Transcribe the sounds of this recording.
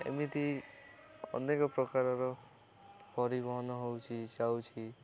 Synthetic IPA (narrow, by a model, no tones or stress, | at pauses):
ḛmit̪i | ɔ̰nekɔpɾɔkaɾɔɾɔ | pɔɾibɔɦɔnɔɦowt͡ʃʰid͡ʒawt͡ʃʰi